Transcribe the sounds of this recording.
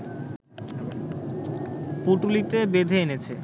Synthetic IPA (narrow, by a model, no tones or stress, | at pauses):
puʈulit̪ebed̪ʱeenet͡ɕʰe